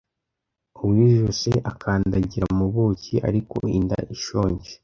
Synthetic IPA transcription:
owiːʒuseʔakʰaːndaɟiɾamuβuːciʔa̰ɾiko̞̰inda̰ʔiʃoːɲɟe̥

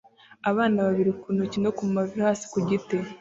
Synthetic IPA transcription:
aβaːnaβaβiɾikunucinokumumavihaːsi̥kuɟite

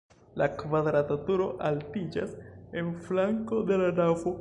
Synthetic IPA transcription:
lakvad̪ɾatatuɾo̞ʔaltid͡ʒase̞nflaŋko̞de̞lanafo

